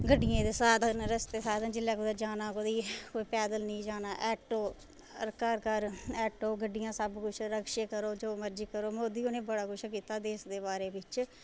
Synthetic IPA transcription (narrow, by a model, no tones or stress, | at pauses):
ɡəɖːɪjẽːd̪eːsaːd̪ənɾəst̪eːsaːd̪ənd͡ʒɪlːɛːkʊd̪ed͡ʒaːnaːkod̪iːkoːiːpɛːd̪əlnĩːd͡ʒaːnaːʔɛːʈoː | ɾkəɾkəɾɛːʈoːɡəɖːɪjãːsəbkʊt͡ʃʰɾəkʃeːkəɾoːd͡ʒoːməɾd͡ʒiːkəɾoːmoːd̪iːonẽːbəɽaːkʊt͡ʃʰk̬iːt̪aːd̪eːsd̪eːbaːɾeːbɪt͡ʃ